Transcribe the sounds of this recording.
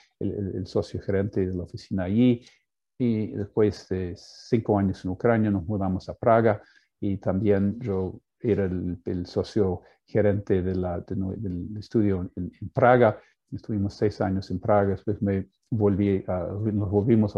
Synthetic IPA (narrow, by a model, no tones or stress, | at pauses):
eleelsosjoxeɾent̪eðelaofisinaːji | iðespwesdesiŋkoaɲosenukɾanjanozmuðamosapɾaɣa | it̪ambjenʒo | eɾaeelsosjo | xeɾent̪eðeladenod̪elest̪uðjonenpɾaɣa | est̪uβimosejsaɲosenpɾaɣaðespwesme | βolβianozβolβimos